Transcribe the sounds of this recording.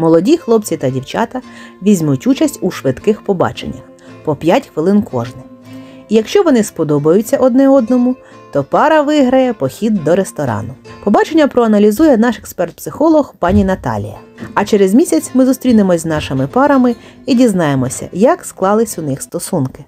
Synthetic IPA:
mɔlˠɔdʲixlˠɔp̚t͡sʲit̪ɐdʲiwt͡ʃɑ̰t̪ɐʋʲizʲmutʲut͡ʃɐsʲtʲuʃʋɪd̪kɪxpɔbɑ̰t͡ʃḛnʲːɐ̰x | pɔpʲjatʲxʋɪlˠɪnkʰɔʒnɪ | ijɐkʃt͡ʃɔʋɔnɪspɔd̪ɔbɐjʊt͡sʲːɐʔɔd̪nɛɔd̪nɔmʊ | t̪ɔpɑɾɐʋɪɦɾɐjɛpɔxʲid̪ːɔɾest̪ɔɾɑ̰nʊpɔbɑt͡ʃenʲːɐpɾɔɐnɐlʲizujɛnɑʃɛkspɛrt̪̚psɪxɔlˠɔhpɑnʲinɐt̪ɑ̰lʲḭjɐ̰ | ɐt͡ʃeɾezmʲisʲɐt͡sʲmɪzʊst̪ɾʲinɪmɔzʲznɑʃɪmɪpɑɾɐmɪ | idʲiznɑjemɔsʲɐ̰jɐksklˠɑlˠɪsʲʊnɪxst̪ɔsunkɪ

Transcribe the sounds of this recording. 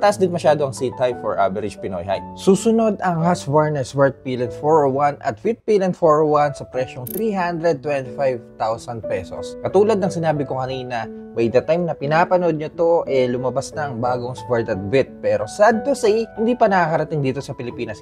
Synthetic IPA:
t̪ɐʔɐsd̪ɪnmɐʃaːd̪oɐŋsit̪ajfoɹʔa̰vɛɾɪd͡ʒpɪno̰jɦa̰jsuːsʊno̞d̪ɐŋhaswaɹnɐswɛɹt̪̚pilɛnd̪foɹwanʔɐ̰t̪fɪt̪̚pilɛnt̪foɹwɐnsɐpɾɛʃoŋt̪ɾiɦand̪ɾɛd̪̚t̪wɛnt̪ɪfajvt̪awsɐnd̪̚pɛso̰skɐt̪uːlɐd̪nɐŋsɪnaːbɪkokɐniːnɐbɐjd̪ɐt̪ajmnɐpɪnaːpɐnod̪̚ɲot̪o̞ʔɛlʊmɐbasnɐŋbaːɡo̞ŋswɛɹt̪ɐt̪̚vɪt̪̚pɛːɾo̞sad̪̚t̪ʊsijhɪnd̪iːpɐnɐkakɐɾɐt̪ɪŋd̪iːt̪o̞sɐpɪlɪpiːnɐs

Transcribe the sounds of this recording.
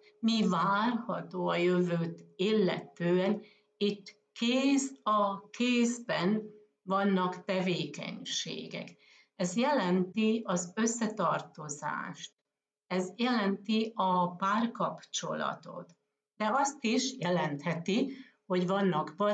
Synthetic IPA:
mivaːrhɒt̪oːɒjøvøːt̪ilːɛ̰t̪øːɛn | it̪ː | keːzɒkeːzbɛn | vɒnːɒkt̪ɛveːkɛ̰ɲʃḛːɡɛ̰k | ɛzjɛlɛnt̪iɒzøsːɛt̪ɒrt̪o̞za̰ːʃt̪̚ | ɛzjɛlɛnt̪iɒpaːrkɒpt͡ʃo̞lɒ̰t̪o̞̰t̪ | d̪̥ɛɒst̪iʃjɛlɛnt̪hɛt̪i | ho̞ɟvɒnːɒkb

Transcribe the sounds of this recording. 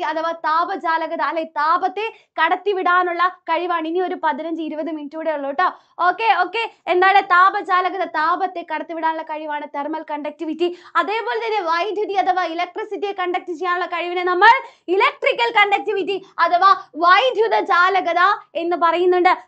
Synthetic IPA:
ɐt̪ɐʋaːt̪aːbɐt͡ɕaːlɐɣɐðaːlːɐt̪aːbɐt̪ːe̞ | kɐɽɐt̪ːiʋiɽaːnuɭːɐkɐɻiʋaːɳinio̞ɾupɐðinɐɲd͡ʑɨiɾubɐðɨmintːuːɽeuɭːoːʈːɐ | o̞ːkːe̞o̞ːkːe̞end̪aːlet̪aːbɐd͡ʑaːlɐɣɐðɐt̪aːbɐt̪ːe̞kɐɽɐt̪ːiʋiɽaːnuɭːɐkɐɻiʋaːɳɨt̪ermɐlkɐɳɖɐk̚tiʋitːiɐðe̞ːpo̞ːle̞t̪ɐnːe̞ʋɐjd̪ʱjut̪ːiɐt̪ʰɐʋailek̚ʈrisitːijekɐɳɖɐk̚tit͡ɕejaːnuɭːɐkɐɻiʋinenɐmːɐɭilek̚ʈrikʲːɐlkɐɳɖek̚tiʋitːiɐt̪ɐʋaːʋɐjd̪ʱjuðɐt͡ɕaːlɐɣɐðae̞nːɨpɐrɐjunːuɳɖɨ

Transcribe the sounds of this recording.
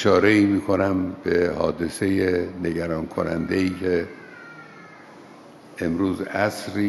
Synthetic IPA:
ʃɒːɾe̞iːmiːkʰo̞næmbehɒ̰ːd̪e̞se̞jene̞ɟæɾɒːnkʰonæ̰nd̪eiːcʰe | emɾuːzæsɾiː

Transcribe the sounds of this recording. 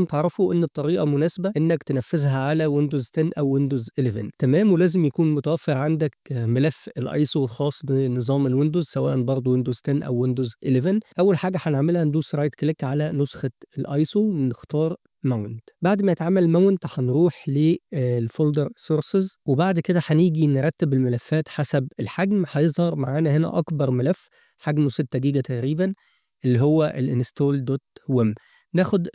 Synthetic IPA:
mt̪eʕɾˤɑfoʔenːt̪ˤːɑɾiːʔɑmʊnæːsebæʔenːækt̪enæfːezɦæʕalæwend̪ozt̪ænːʔæwːend̪ozʔelevæ̰nt̪æmæːmwelæːzɪmjækuːnmot̪æwæfːeɾʕand̪æk̚mælæfːelʔɑ̰jsˤolxɑːsˤbenːɨzˤɑːmelwend̪uzsæwæːʔænbɑɾˤd̪ˤowend̪ozt̪ænːʔæ̰wːend̪ozʔelevænʔæwːælħaːɡæħaneʕmelhænd̪uːsɾɑːjt̪klikʕalænosxɑelʔɑjsˤonɪxt̪ɑːɾˤ | mæwnt̪baʕd̪mæjet̪ʕamːælmæwnt̪ħænɾuːħleːlfold̪eɾsoɾsezwebaʕd̪ked̪æħæniːɡinɾˤɑt̪ːebelmælæfːæːt̪ħasæbelħaɡmħɑjezˤhɑɾˤmaʕaːnæhenæ̰ʔɑkbɑɾˤmælæfː | ħaɡmoset̪ːæd̪iːɡæt̪æʔɾiːbæn | ʔelːiɦowːæʔelʔenest̪oːld̪ot̪wæm | næːxod̪

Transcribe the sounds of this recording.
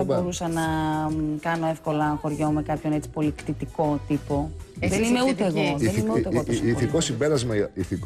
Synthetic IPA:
bo̞ɾusɐnɐ | kɐno̞e̞fko̞lɐxo̞ɾʝo̞me̞kɐpço̞ne̞t͡si̥po̞likt̪it̪iko̞t̪ipo̞ðenime̞uut̪eːɣoenimeuetiθikosimbeɾɐzmɐiθik

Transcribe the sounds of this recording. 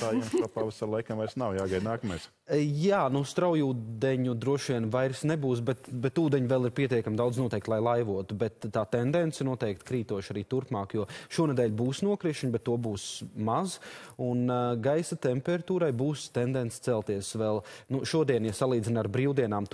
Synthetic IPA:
t̪aːjɛmskapaʋasaɾlˠajkɐmajɾsnawjaːɡajd̪naːkɐmajs | jaːnust̪ɾawjuːd̪ɛɲud̪ɾuɔʃʋiɛnvajɾsnɛbuːsbɛt̪bɛt̪uːd̪ɛɲvɛlˠiɾpʲiɛt̪iɛkamd̪awd̪znuɔt̪ɛjkt̪lˠajlˠajʋuɔt̪ubɛt̪ːaːt̪ɛnd̪ɛntsinuɔt̪ɛk̚t̪kɾiːt̪uɔʃaɾiːt̪uɾpmɑːkjuɔʃuɔnɛd̪ɛːʎʲbuːsnuɔkɾiʃɲbɛt̪ːuɔbuːsmazunɡajsat̪ɛmpɛɾat̪uːɾajbuːst̪ɛnd̪ɛnt̪st̪sɛlˠt̪iɛsʋɛlˠnuʃuɔd̪iɛnjasalˠiːd̪zinaɾbɾiːwd̪iɛnaːm

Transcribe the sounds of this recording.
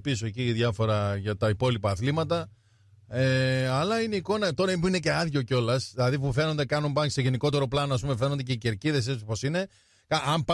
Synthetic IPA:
pisoeciðʝɐfo̞ɾɐʝɐt̪ɐipo̞lipɐːθlimɐt̪̬ɐ | eɐlɐine̞iko̞nɐt̪o̞ɾɐipuine̞ce̞ɐðʝo̞co̞lɐsðilɐðipufe̞no̞nd̪e̞kɐnumpɐnse̞ʝeniko̞t̪e̞ɾo̞plɐnoɐs̬pumefno̞nd̪ece̞ice̞ɾciðe̞s̬et͡si̥po̞sine̞ | kɐʔɐmp

